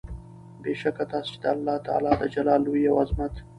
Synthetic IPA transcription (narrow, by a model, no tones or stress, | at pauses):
beʃakat̪ɑːset͡ʃed̪əalːɑt̪ɑ̰ːlɑd̪əd͡ʒalɑːlːojawazmat̪